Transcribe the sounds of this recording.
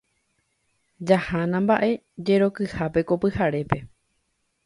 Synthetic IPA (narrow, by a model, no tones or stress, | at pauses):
d͡ʒahãnãmbaʔe̞ | d͡ʒe̞ɾo̞kɨhape̞ko̞pɨhaɾe̞pe̞